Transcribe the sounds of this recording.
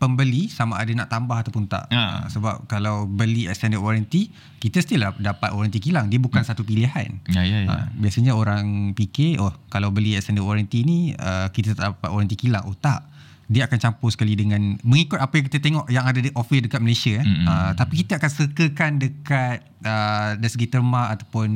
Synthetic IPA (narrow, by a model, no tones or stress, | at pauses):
pəmbəlisamaʔːdana̰ʔt̪ambaɦat̪awpunt̪a̰ʔə̰səba̰p̚kalawbəliɛkst̪ɛndəkwɔɾant̪i | kit̪əst̪iladapat̪̚kwɔɾant̪ikilaŋdiəbukansat̪upiliɦa̰njaə̰biasəɲaoɾaŋpikeɔhkalawbəliɛkst̪ɛndəkwɔɾant̪inĩəkit̪ət̪a̰ʔdapat̪̚wɔɾant̪̬ikila̰ŋʔot̪aʔ | diəakant͡ʃamposə̥kalidəŋãnmə̃ŋikʊt̪̚apajaŋk̬it̪ət̪eŋɔʔjaŋadadʔɔfwɛdəkat̪̚məlesiaət̪apikit̪əakansəkəkandəkat̪̚ədaɾisəɡit̪ərmaat̪apʊn